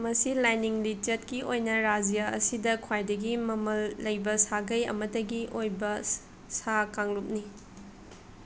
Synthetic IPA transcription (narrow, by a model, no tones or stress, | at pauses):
mɐsilajniŋlit͡ʃɐt̚kiʔojnɐɾad͡ʒijaɐ̰sidɐkʰwajdɐɡimɐmɐlːɐjbɐsaɡɐjɐ̰mɐtɐɡiʔojbɐ | sakaŋlup̚ni